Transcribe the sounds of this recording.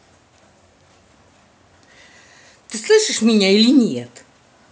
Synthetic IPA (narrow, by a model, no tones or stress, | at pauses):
t̪ɨslˠɨʃɐʃmʲiɲʲailʲinʲijɛt̪